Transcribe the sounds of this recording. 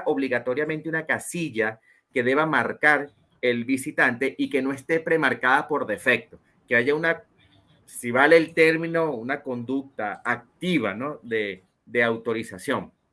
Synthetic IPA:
ʔo̞βliɣat̪o̞ɾjamẽnt̪eunakasiʝa | ke̞ðe̞βamaɾkaɾ | elbisit̪ant̪e̞ʔike̞no̞e̞st̪e̞pɾe̞maɾkaðapo̞ɾðe̞fe̞k̚t̪o̞ | keaʝauna | siβaleːlt̪e̞ɾmĩno̞unako̞nd̪uk̚t̪aːk̚t̪iβa̰no̞ðe | d̪e̞awt̪o̞ɾisasjo̞ŋ

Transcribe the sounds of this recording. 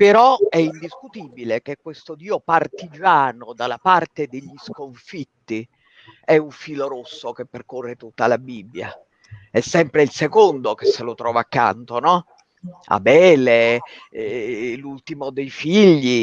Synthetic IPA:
peɾɔɛind̪iskut̪ibilek̟ekːwest̪od̪iːopart̪id͡ʒaːnod̪alapart̪ed̪eʎːiskoɱfit̪ːi | ɛuɱfiːloɾosːokepːerkorːet̪ut̪ːalabibːja̰ | ɛsːɛmpɾeilsekond̪okesːelot̪ɾɔːvaːkːa̰nt̪onɔ | a̰bɛːle | lult̪imod̪ejfiʎːi

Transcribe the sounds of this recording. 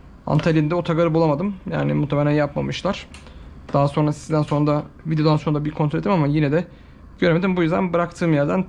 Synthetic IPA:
a̰nt̪ʰalʲind̪ɛot̪ʰaɡaɾɯbulˠamad̪ɯmja̰ːnimut̪ʰːemeɾʲænjapmamɯʃlˠaɾ̥d̪̥aɦaso̞nɾasizd̪ænso̞nɾd̪avid̪eoano̞nɾad̪abiɾkʰont̪ɾoet̪ʰimamajinɛd̪ɛ | ɟ̥øɾeme̞d̪imbujyzd̪æ̰nbɯɾakt̪ʰɯːmjæɾd̪æn

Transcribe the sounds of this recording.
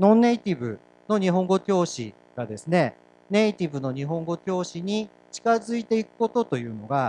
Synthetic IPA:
nõ̞nːe̞it̪ʲibɯ̟ | no̞ɲ̟iɦõ̞ŋɡo̞kʲo̞ːɕḭ | ɡ̥ad̪e̞sɨne̞ | ne̞it̪ʲibɯ̟no̞ɲ̟iɦõ̞ŋɡo̞kʲo̞ːɕiɲ̟i | t͡ɕi̥kazɨit̪e̞ikɯ̟̥ko̞t̪o̞t̪o̞jɯ̟ːno̞ɡa

